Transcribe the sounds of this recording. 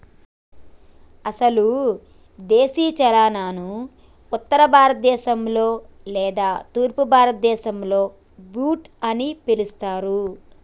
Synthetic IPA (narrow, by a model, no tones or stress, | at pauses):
ɐsɐlu | d̪eːsiːt͡ʃɐlaːnaːnu | ut̪ːɐɾɐbʱaːɾɐt̪̚d̪ɛːʃɐmlo̞ː | lɛːd̪aːt̪uːɾpubʱaːɾɐt̪̚d̪ɛːʃɐmlo̞ː | buːʈ | ɐnipilust̪aːɾu